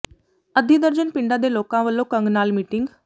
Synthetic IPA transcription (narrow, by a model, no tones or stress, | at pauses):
əd̪ʱiːd̪əɾd͡ʒənpɪɳɖaːd̪eːloːkãːʋəlːõːkə̃ŋɡnaːlmiːʈɪŋɡ